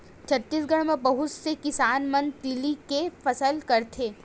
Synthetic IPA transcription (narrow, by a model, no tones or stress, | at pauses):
t͡ʃʰɐt̪ːiːsɡəɽ̃mẽbɐɦʊt̪sekɪsaːnmɐnt̪ilikefɐsəlkɐɾt̪ʰeː